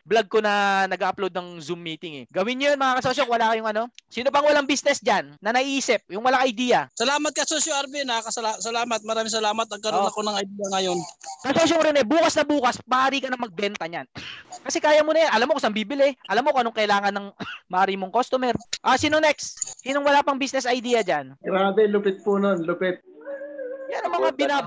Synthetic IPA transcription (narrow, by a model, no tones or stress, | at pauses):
blɐɡ̚ko̞nɐnɐɡaːʔɐplod̪̚nɐŋzʊmːiːt̪ɪŋɛ̰ɡɐwɪnɲojonmɐŋakɐsoʃ̬oŋwɐlaːkɐjʊŋʔɐno̞siːnopɐŋwɐlaŋbiːsnɛsd͡ʒanːɐnɐʔʔiːsɪp̚jʊŋwɐlaŋɐjd̪iːjɐsɐlaːmɐt̪̚kɐsosjuʔɐɾbɛnɐakɐsɐlasɐlaːmɐt̪̚mɐɾaːmɪŋsɐlaːmɐt̪̚nɐɡ̚kːɐɾonɐkonɐŋɐjd̪iːjɐŋɐjonkɐsos̬oŋɾɪnɛbuːkɐsnɐbuːkɐsmɐʔaɾiːkɐnɐŋmɐɡ̚bɛnt̪ɐɲankɐsɛkaːjɐmonɐjanʔɐlamokɐsɐŋbiːbɪlɪʔɐlamːokʔɐnoŋkɐʔɪlaːŋɐnːɐŋmɐʔaɾimoŋkost̪ʊmɛɾʔaːsinonɛkssiːnoŋwɐlapɐŋbisnɛsɐjd̪iːjɐd͡ʒanɡɾaːbɛlʊpɪt̪̚pononlʊpɪt̪̚ | janɐŋmɐŋabɪna